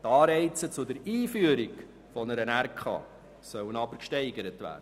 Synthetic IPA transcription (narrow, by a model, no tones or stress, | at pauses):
tɑːɾɛɪt͡sət͡sʊdəɾiːfyəɾiɡ | fɔnəɾənærkʰχɑ̰ː | sœwənɑbəɾkʃtɛɪɡəɾətʋæ̰ːɾdə